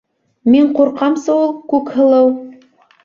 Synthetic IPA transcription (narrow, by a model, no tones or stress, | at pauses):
miɴquɾqɑmsɑulˠkʉkhɤ̆lˠɤw